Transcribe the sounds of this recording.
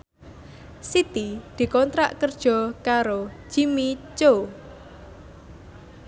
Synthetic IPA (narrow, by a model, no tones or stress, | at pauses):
sit̪id̪̥i̤kɔnt̪ɾa̰ʔkərd̥ʒ̥ɔ̤kaɾo̥ʒ̥imit͡ʃo